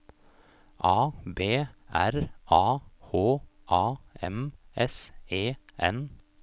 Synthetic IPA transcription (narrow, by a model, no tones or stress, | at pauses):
ʔɑːbeːæɾʔɑːhoːʔɑːɛmɛseːʔɛ̰n